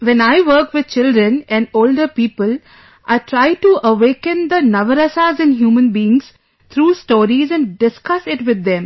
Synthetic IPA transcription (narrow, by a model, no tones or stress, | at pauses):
ʋɛ̃naɪʋəɾkʋɪd̪̥̚t͡ʃɪlɖɾə̃nɛ̃nɖoːlɖəɾpiːpəl | ʔaɪʈʰɾaɪʈuʔəʋeːkə̃nd̪ənʌʋəɾəsaːzɛ̃nɦjuːmə̃nbiɪ̃ŋz̥ | t̪ʰɾuːsʈoːɾizɛ̃ɳɖɪskʌsɪʈʋɪd̪ːɛ̃m